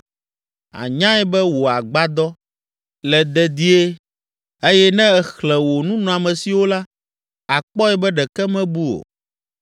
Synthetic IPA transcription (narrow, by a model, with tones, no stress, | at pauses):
a̰˨ɲã˦ɛ˦bɛ˦wo˨a˨ɡ͡ba˦d̪ɔ˦ | lɛ˨d̪ɛ˨d̪i˦e˦ | e˦jɛ˦nɛ̃˦ɛ˨xlɛ̃˨wo˨nũ˦nɔ̃˨a˨mɛ̃˨si˨wo˦la˦ | a˨k͡pɔ˦ɛ˦bɛ˦ɖɛ˨kɛ˦mɛ̃˦bu˦o̰˨